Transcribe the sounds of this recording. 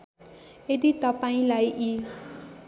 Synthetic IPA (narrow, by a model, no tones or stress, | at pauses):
ed̪it̪ʌpaĩlajʔi